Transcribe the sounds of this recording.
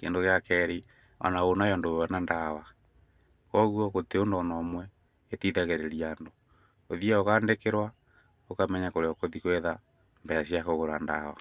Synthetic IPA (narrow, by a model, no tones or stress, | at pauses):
kḛndoɣeakɛɾi | ɔ̰naɣonajɔndowɛnandawa | kɔɣwɔɣoteondɔnɔmwɛ | etiðaɣeɾeɾiando | oðiaokaːndekeɾwa | okamɛɲakoɾeɔkoðikweða | mbɛasiakoɣoɾa̰nda̰wa̰